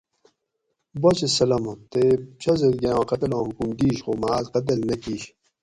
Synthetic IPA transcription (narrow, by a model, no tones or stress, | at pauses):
bot͡ɕesɐlɐmõt̪et͡ɕʰɐzed̪ɡeãːqɐt̪ɐlõːɦukumd̪iːɕxomaːzqɐt̪̬ɐlnɐkiːɕ